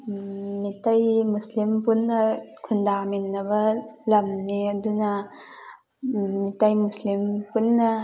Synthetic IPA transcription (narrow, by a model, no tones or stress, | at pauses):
mitajmuslimpunːɐkʰundaminːɐbɐlɐmniɐdunɐ | mitajmuslimpunːɐ